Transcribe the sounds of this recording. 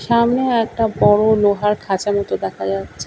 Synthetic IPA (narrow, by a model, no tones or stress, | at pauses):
ʃamneɛk̚ʈabɔɽoloɦaɾkʰat͡ɕamɔt̪od̪ɛkʰad͡ʑatːɕʰe